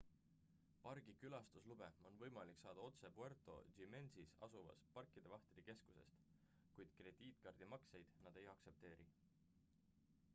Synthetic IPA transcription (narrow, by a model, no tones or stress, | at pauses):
pɑrɡ̥ikylɑst̪uslub̥e̞o̞nvɤ̞jmɑlikːˑsɑːd̪ɑo̞t̪se̞puert̪ˑo̞̰d͡ʒime̞nsisɑ̰suvɑ̰spɑrkːˑid̪̥e̞vɑht̪ɾike̞sku̥se̞̰st̪ | kujd̪̥kre̞d̪̥iːt̪kɑrd̪̥imɑkse̞jd̪̥nɑd̪̥e̞jɑkse̞p̚t̪e̞ːɾʔi